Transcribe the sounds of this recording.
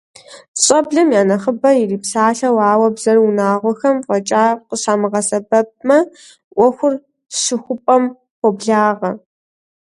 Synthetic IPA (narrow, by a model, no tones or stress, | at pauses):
ɕʼɐbɮɐmjaːnɐχəbɐjiriːpsaːɬɐwaːwɐbz̥ɐrʊnaːʁʷɔxɐmqʼɔt͡ʃʼaːqəɕaːmɨʁɐsɐbɐp̚ʼmɐ | ʔʷɔxʷʊr | ʂɨxʷʊpʼɐm | xʷɔbɮaːʁɐ